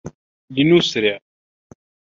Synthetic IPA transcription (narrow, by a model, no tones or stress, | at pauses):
linusɾiʁ